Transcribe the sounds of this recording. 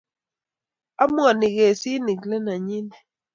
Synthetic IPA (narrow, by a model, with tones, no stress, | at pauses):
a˦mwa˨nɪ˨ɣe˨sɪ˦ni˨klɛ˦na˨ɲi˦ni˨